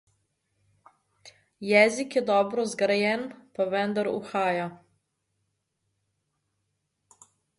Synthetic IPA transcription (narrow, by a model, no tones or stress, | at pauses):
jɛːzikjɛd̪ɔːbɾɔzɡɾajɛnpaʋɛnd̪aɾṵxaːja